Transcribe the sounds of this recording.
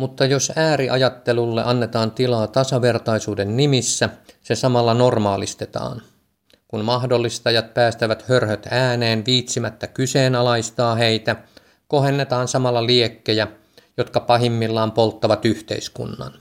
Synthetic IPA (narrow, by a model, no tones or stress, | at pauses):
mut̪ːɑjosæːɾiʔɑjɑt̪ːelulːḛʔɑnːet̪ɑːnt̪ilɑːt̪ɑsɑʋert̪ɑisuːdennimisːæsesɑmɑlːɑnormɑːlist̪et̪ɑ̰ːn | kunmɑhdolːist̪ɑjɑt̪̚pæːst̪æʋæt̪hørhøt̪æːneːnʋiːt̪simæt̪ːækyseːnɑlɑist̪ɑːheit̪æ | kohenːet̪ɑːnsɑmɑlːɑliekːejæ | jot̪kɑpɑɦimːilːɑːmpolt̪ːɑʋɑt̪yht̪ḛiskṵnːɑ̰n